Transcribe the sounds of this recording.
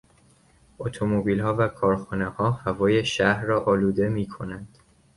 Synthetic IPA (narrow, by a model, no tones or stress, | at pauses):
ot̪ʰomobiːlhɒːvækʰɒːɾxuːne̞hɒːhævɒːje̞ʃæhɾːɒːʔɒːluːd̪e̞miːkʰo̞nænd̪̥